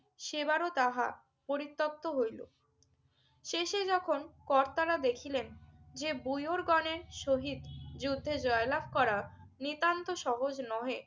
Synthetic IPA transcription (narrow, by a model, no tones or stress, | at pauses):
ʃebaɾot̪aɦa̰ | poɾit̪ːok̚t̪oɦojlo̰ | ʃeʃed͡ʑɔkʰonkɔɾt̪aɾad̪ekʰilend͡ʑebujoɾɡɔneɾʃoɦid̪d͡ʑud̪ʱːed͡ʑɔelabʱkɔɾanit̪ant̪oʃɔɦod͡ʑnɔe